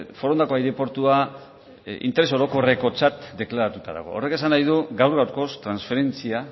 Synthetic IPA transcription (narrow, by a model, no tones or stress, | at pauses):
fo̞ɾo̞nd̪ako̞ajðepo̞ɾt̪ua | ʔḭnt̪ee̞so̞ɾo̞ko̞re̞ko̞t͡sat̪d̪e̞klaɾat̪ut̪aða̰ɣ̞o̞̰ore̞ke̞sanajð̞uɡawɾɣawɾko̞st̪ɾansfe̞ɾe̞nt͡sia